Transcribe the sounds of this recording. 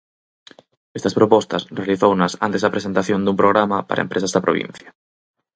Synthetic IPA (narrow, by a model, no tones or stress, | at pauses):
est̪ɐspɾopɔst̪asrealiθownasa̰nt̪ezðapɾesent̪aθjond̪umpɾoɣɾamapa̰ɾʔaḛmpɾes̬azðapɾoβḭ̃n̟θja